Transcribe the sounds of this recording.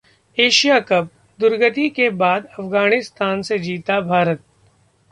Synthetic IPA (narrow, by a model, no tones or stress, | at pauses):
eːʃijakɐp̚ | d̪ʊɾɡət̪ikebaːd̪ɐfɡaːɽ̃ɪst̪aːnsed͡ʒiːt̪abʱaːɾət̪̚